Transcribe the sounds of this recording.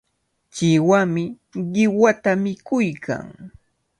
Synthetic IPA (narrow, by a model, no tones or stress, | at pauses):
t͡ʃɪwamɪ | ɢɪwat̪amɪkʊjkʰa̰ŋ